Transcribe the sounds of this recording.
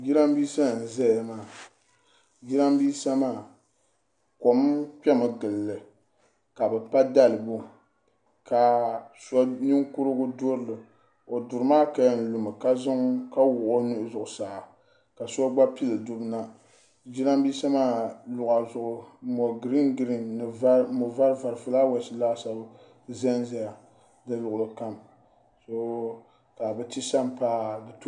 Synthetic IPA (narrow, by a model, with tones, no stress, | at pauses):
ɡi˦ɾa˦mbiː˦sa˦˨n̩˨zɛ˦˨maː˦˨ | ɡi˦ɾa˦mbiː˦sa˦maː˦˨ | ko˨m˦k͡pʲɛ˦mɨ˨ɡɨ˨lːɨ˨ | ka˨bɛ˨pa˦da˦lɨ˨bʊ˦ | ka˨sɔ˦ni˦ŋkʊ˦ɾɨ˦ɡʊ˦do˦ɾɨ˨lɨ˨ | o˨dʊ˨ɾɨ˨˦maː˦ka˨jɛ˦˨n̩˨lʊ˨mɨ˨ka˦zɨ˦ŋka˦wʊ˨ʔo˦nʊ˦ʔzʊ˨ʔʊ˨saː˨ | ka˨sa˦ɡ͡ba˦pi˦lɨ˨dʊ˦bna˦ | d͡ʒi˦ɾa˦mbi˦sa˦maː˦lʊ˨ʔa˨zʊ˨ʊ˨mo˨ɡɾi˦ŋɡɾi˦nnɨ˨˦mo˨va˦ɾva˨ɾɨ˨fɨ˦la˦wɛ˨sɨ˨laː˦sa˨b | zɛ˦n˦zɛ˨ja˨ | dɨ˦lʊ˨ʔʊ˨lɨ˨ka˦m | so˦ | ka˨bɛ˨ti˦sa˦mpaː˦dɨ˨t